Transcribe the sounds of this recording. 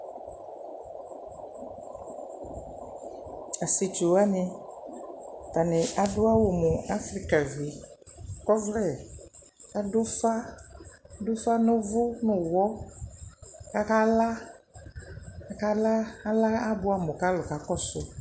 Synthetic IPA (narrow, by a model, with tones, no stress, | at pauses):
a˨si˨t͡ʃu˨a˦nɪ˦ | t̪a˨nɪ˨ʔa˨dʊ˦a˦wo˨mʊ˨a˦fɾi˦ka˨vi˨ | kɔ˦vlɛ˨ | ka˦dʊ˦sa˦ | dʊ˦sa˦nʊ˦vʊ˦nʊ̃˨wɔ˦ | ka˦ka˦la˦ | ka˦ka˦la˦a˦la˦a˦bʊ˦a˦mʊ˨ka˦lʊ˨ka˨kɔ˦sʊ˦